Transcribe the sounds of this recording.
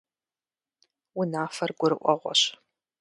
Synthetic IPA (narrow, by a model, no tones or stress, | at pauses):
wʊnaːfɐrɡʷʊɾɨʔʷɔ̰ʁʷɔ̰ɕ